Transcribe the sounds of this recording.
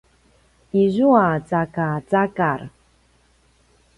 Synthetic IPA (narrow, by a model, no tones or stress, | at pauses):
iʒuat͡sakat͡sakaɾ